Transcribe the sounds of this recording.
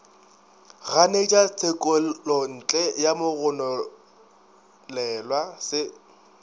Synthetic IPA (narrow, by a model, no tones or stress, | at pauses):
ɣanet͡ʃʼat͡sʰʼekʼɔɔn̩ːt͡ɬʼɛjamʊɣʊnɔ | lɛlwasɪ